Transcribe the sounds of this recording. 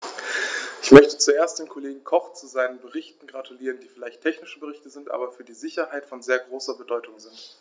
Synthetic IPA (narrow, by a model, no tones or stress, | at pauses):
ʔɪçmœçtət͡suʔeːɐstd̥eːnkʰoleːɡŋ̩kʰɔχt͡suzaɪnənbəʁɪçtn̩ɡʁatʰuliːʁəndiːfɪlaɪçtʰɛçnɪʃəbəʁɪçtəzɪntʔa̰ːbɐfyːɐdiːzɪçɐɦaɪtfɔnzeːɐɡʁoːsɐbədɔʏtʊŋzɪnt